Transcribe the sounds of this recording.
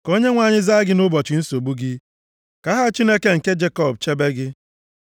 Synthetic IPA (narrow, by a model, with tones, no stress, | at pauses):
ko˦ɲe˦ŋʷa˨ɲɪ˦za˦ɡɪ˦nʊ˦bɔ˨t͡ʃɪ˨n̩˦so˨bu˦ɡɪ˦ | ka˦ɦa˦t͡ʃi˦ne˦ke˦ŋ̩˨ke˦d͡ʒe˦kɔ˦˨b̚t͡ʃe˦be˦ɡɪ˦